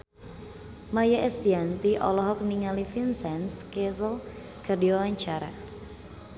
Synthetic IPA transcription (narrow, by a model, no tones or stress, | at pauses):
majaʔɛst̪iant̪iʔɔ̰lɔɦɔk̚niŋalifinsɛnskɛsəl | ɡ̥ardiwawaɲt͡ʃaɾa̰